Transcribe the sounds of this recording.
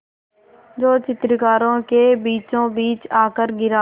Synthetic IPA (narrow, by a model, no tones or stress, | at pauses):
d͡ʒoːt͡ʃɪt̪ɾkaːɾõːkeːbiːt͡ʃõːbiːt͡ʃaːkəɾɡɪɾaː